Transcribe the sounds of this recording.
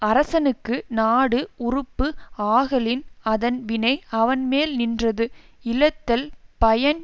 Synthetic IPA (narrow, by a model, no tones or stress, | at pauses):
ɐɾɐsɐnɯkːɯnaːɽɯʊrʊpːɯaːɣɐlɪnɐðɐnʋɪnɐɪɐʋɐnmeːlnɪndrɐðɯɪlɐt̪ːɐlpɐjɐn